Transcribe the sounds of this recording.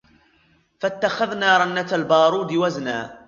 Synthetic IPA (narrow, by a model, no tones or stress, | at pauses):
fat̪ːaxaðnaːɾˤɑnːat̪albɑːɾˤuːd̪ɪwaznaː